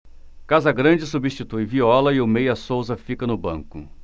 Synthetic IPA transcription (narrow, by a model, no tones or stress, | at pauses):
kazɐɡɾɐ̃d͡ʒɪsubist͡ʃit̪ujviɔlɐɪʊmejɐsowzɐfikɐnʊbɐ̰̃ŋkʊ